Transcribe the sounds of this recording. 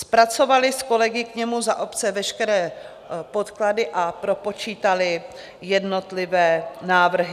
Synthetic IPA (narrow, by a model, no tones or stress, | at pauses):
spɾat͡so̞valɪsko̞lɛɡɪkɲɛmuzaʔo̞pt͡sɛvɛʃkɛɾɛː | po̞t̪kladɪʔapɾopo̞t͡ʃiːt̪alɪ | jɛdno̞t̪lɪvɛːnaːvr̩ɦɪ